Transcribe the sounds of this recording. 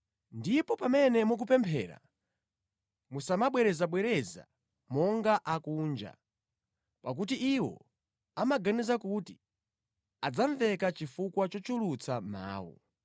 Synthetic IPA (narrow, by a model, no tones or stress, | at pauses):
ndipɔpamɛnɛmuk̬upɛmpʰɛ̰ːɾa̰ | musamaɓwɛɾɛzaɓwɛɾɛza̰ | mɔŋɡaʔakuːnd͡ʒa̰ | pak̬ut̬iʔiwɔ̰ | amaɡanizakuti̥ | ad͡zaɱvɛkat͡ʃifukwat͡ʃɔt͡ʃulut͡sʰama̰ːwɔ̰